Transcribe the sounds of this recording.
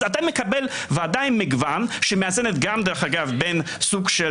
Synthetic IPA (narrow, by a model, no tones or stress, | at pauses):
at̪amekabel | vaadajimːiɡvanʃɛmeazenet̪ɡamd̪ɛɾeχaɡavben | suɡʃe